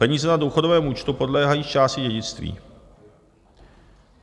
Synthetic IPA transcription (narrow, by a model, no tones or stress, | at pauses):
ɛɲiːzɛnaduːxo̞dovɛːmuːt͡ʃt̪upo̞dlɛːɦajiːt͡ʃaːscɪɟɛɟɪt͡st̪vḭː